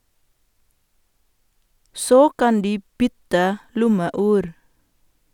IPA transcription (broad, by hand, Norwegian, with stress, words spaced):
ˈsoː ˈkɑn ˈdiː ˈbʏtə ˈlʊməˌʉːɾ